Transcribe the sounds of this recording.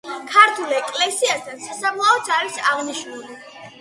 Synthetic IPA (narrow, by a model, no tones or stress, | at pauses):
kʰaɾt̪ʰulɛkʼlɛsiast̪ʰansasamlˠaɔt̪sʰaɾisaʁniʃnuli